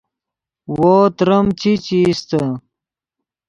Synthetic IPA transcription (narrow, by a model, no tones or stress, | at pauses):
woːt̪ɾəmt͡ɕit͡ɕiːst̪ə